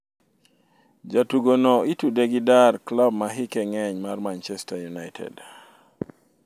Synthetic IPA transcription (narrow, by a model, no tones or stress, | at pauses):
d͡ʒatuɡonoitudeɡidarklab̚maɦikɛŋɛɲmarmant͡ʃɛstajunajtʰɛ̰d